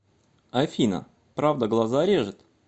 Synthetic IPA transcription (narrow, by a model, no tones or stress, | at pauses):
ɐfʲinə̰ | pɾavd̪əɡlˠazaɾʲeʐɨt̪